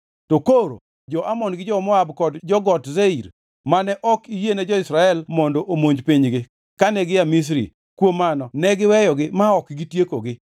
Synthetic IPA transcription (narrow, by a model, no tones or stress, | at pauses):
tokoɾo̰ | d͡ʒɔʔamɔnɡɪd͡ʒɔmɔabkɔdd͡ʒɔɡɔtzeiɾ | manɛʔɔkijenɛd͡ʒɔɪsɾaɛlmɔndɔʔomoɲd͡ʒpiɲɡɪ | kanɛɡɪjamis̬ɾḭ | kwomanɔnɛɡɪwɛjɔɡɪmaɔkɡitjekoɡɪ